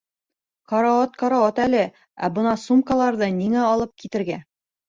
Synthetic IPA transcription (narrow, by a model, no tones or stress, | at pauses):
kɑɾaot̪kɑɾaot̪ælɘ | æ̰bɤ̆nɑsumkalˠɑɾðɤniŋæɒlˠɤp̚kit̪ɘ̆ɾɡæ